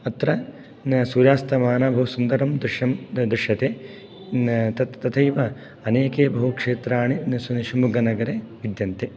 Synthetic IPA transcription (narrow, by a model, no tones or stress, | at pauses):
ɐt̪ɾɐ | suːɾjaːst̪ɐmaːnaːbʱɐɦusund̪ɐɾɐmd̪uʃɐmd̪ɾuʂɐt̪eː | t̪ɐt̪t̪ɐt̪ʰɐjʋɐ | ɐneːkeːbʱɐɦukʂeːt̪ɾaːɳisuniʃimuɡɐnɐɡɐɾeːʋid̪jɐnt̪e